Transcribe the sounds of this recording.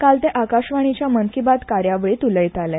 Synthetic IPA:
kalt̪eʔakaɕʋaɽ̃it͡ɕjaməŋkibat̪kaɾjaʋɭiːt̪uləjt̪alɛ

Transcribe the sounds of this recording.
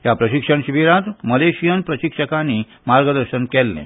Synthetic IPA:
japɾəɕikʂəɳɕiʋiɾat̪məleɕijənpɾəɕikʂəkani | maɾɡəd̪əɾɕənkɛlːḛ̃

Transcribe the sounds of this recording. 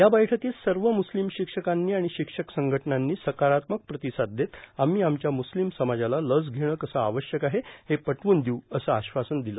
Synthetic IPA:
jabəjʈʰək̪iːlsəɾʋəmuslimɕikʂəkanːiːaɽ̃iɕikʂəksəŋɡʱəʈənanːiːsəkaɾat̪mək̚pɾət̪isad̪̚d̪et̪am̤iːamt͡ɕjamuslimsəmad͡ʑalaləd͡zɡʱeɽ̃əːkəsəaʋəɕjəkaɦehepəʈʋuːnd̪iuəsəaɕʋasənd̪ilə

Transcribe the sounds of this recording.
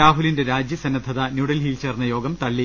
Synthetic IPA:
aːɦulinde̞ɾaːd͡ʑjɐsɐnːɐd̪ʱɐðɐnjuːɽɐlɦiːlt͡ɕeːrnːɐjo̞ːɡɐmt̪ɐɭːi

